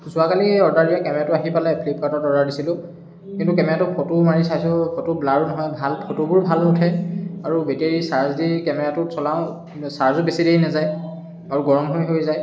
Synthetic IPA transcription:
zʊakaliɔɹdaɹdijakɛmɛɹatʊaɦipalajpʰlip̚katɔtɔɹdaɹdisilʊ̃ | kintukɛmɛɹatʊpʰɔtumaɹisajsʊkʰɔtublaɹunɔɦɔjbʱalpʰotubʊɹbʱalnʊtʰɛaɹubɛteɹisaɹzdikɛmɛɹatʊsɔlaʊ̃ | saɹzɔbesideinɛzaj | aɹuɡɔɹɔmɦojɦojzaj

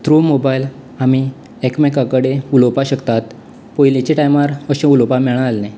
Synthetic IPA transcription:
t̪ɾumobajl | ami | ekmekakəɽeulopaɕəkt̪at̪ | pojlet͡ɕeʈajmaɾəɕẽulopamɛɭ̃ãːlne

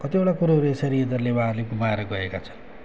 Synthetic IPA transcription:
kʌt̪ioʈakuɾaɦɾuesaɾied̪ʌrlebaːrleɡumaeɾʌɡʌekat͡sʰʌ̥n

